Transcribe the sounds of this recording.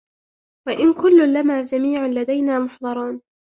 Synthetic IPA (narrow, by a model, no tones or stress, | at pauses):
waʔɪnkʊlːʊlamaːd͡ʒamiːʕalad̪ajnaːmʊħðˤɑɾˤuːn